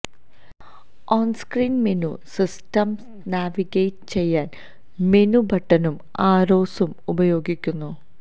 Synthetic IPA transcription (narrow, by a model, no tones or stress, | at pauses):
oːnskriːnmenusistɐms | naːʋiɣejtɨt͡ɕe̞jːaːn | menubʱɐʈːɐnum | aːɾoːsumubɐjo̞ːɡikʲːunːu